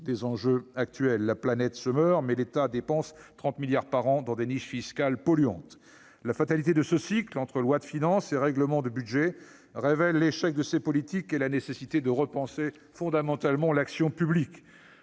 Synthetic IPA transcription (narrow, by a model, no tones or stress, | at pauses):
d̪ezɑ̃ʒøak̚t̪ɥɛlːaplanɛt̪səmœʁmɛlet̪ad̪epɑ̃st̪χɑ̃t̪miljaʁpaʁɑ̃d̪ɑ̃d̪eniʃfiskalpɔlyɑ̰̃t̪ | lafat̪alit̪ed̪əsəsiklɑ̃t̪χəlwad̪əfinɑ̃seʁɛɡləmɑ̃d̪əbyd̪ʒɛ | ʁevɛlːeʃɛk̚d̪əsepɔlit̪ikelanesesit̪ed̪əʁəpɑ̃se | fɔ̃d̪amɑ̃t̪almɑ̃laksjɔ̃pyblik